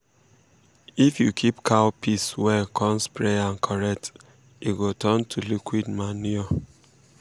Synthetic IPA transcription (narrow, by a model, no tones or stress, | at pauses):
ifjukʰipkʰawpʰiswɛkʰɔ̃mspɹeãnkʰɔɹɛk̚t | iɡotɔntʰulikwidmaniɔ